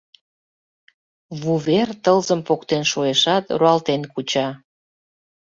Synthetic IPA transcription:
βuβert̪əlzəmpokt̪enʃoeʃɑt̪ruɑlt̪enkut͡ɕɑ

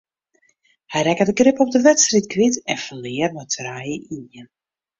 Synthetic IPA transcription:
hɛjrɛkədəɡrɪpɔp̚dəʋɛtstrit̚kʰʋitɛnfəlɪərmətʰrajəʔijən

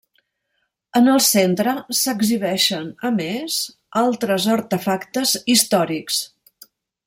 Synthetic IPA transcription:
ənəlˠsent̪ɾəsəɡziβɛʃənəmez | alˠt̪ɾəzəɾt̪əfakt̪əzist̪ɔɾiks

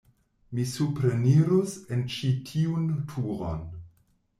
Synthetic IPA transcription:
misupɾeniɾusent͡ʃitʰiuntʰuɾo̰n

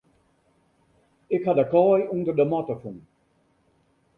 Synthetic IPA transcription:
ɪkhadəkɔjundərdəmɔtəfun

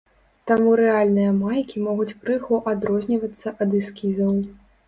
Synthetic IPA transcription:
t̪amuɾɛalʲnɨjɐmajkʲimɔɣut͡sʲkɾɨɣɔʔad̪ɾɔzʲnʲivɐt̪sːɐʔɐd̪ɨskʲizɐw

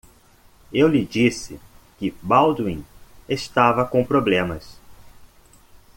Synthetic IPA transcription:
ewlɪd͡ʒisɪkɪbawd̪wĩest̪avɐkõw̃pɾoblẽmɐs

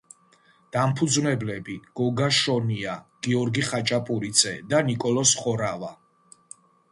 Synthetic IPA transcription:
d̪̥ampʰud̪znɛblɛbiɡ̥ɔɡaʃɔniaɡ̥iɔɾɡiχat͡ʃʼapʼuɾit̪sʰʼɛd̪anikʼɔlɔsχɔɾava

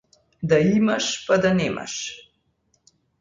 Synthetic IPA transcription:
d̪aimaʃpad̪anɛma̰ʃ

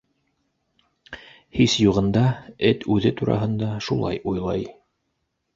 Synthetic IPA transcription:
hisjuʁɤ̆nd̪ɑɘt̪ʉðɘt̪uɾɑ̰ɦɤ̆nd̪ɑʃulˠɑ̰jujlˠɑj

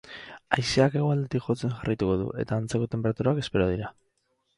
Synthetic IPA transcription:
ajsiake̞ɣo̞ald̪et̪ikʝo̞t͡se̞ŋʝarajt̪uko̞ðṵʔe̞̰t̪aːnt͡se̞ko̞t̪e̞mpe̞ɾat̪uɾaake̞spe̞ɾo̞ð̞iɾa

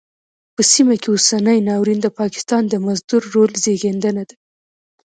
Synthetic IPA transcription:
pəsimakeosanəjnɑwɾind̪əpɑkɪ̥st̪ɑnd̪əmazd̪uɾːolzeɡend̪ənad̪a

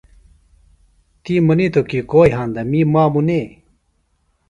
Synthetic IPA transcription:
t̪imɐnit̪okikoːjɦãːnd̪amimaːmune

